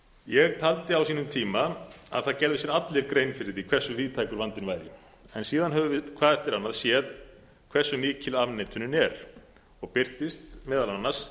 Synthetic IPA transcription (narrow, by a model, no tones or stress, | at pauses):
jɛɣt̪ʰalt̪ɪawsiːnʏmt̪ʰiːmaa̰ðθaðcɛɾðʏsjɛɾat̪lɪɾkɾejnfɪɾɪðikʰvɛr̥sːʏviːt̪ʰajkʏɾvant̪ɪnvaːjɾʏ̰ | ɛnsiːðanɦɛvʏvɪðkʰvaːðɛft̪ɪɾanːaðsjɛð | kʰv̥ɛrsːʏniːcɪlavnɛːt̪ʰʏnɪnɛɾ | ɔɣpɪr̥t̪ɪst̪mɛːðalanːḁs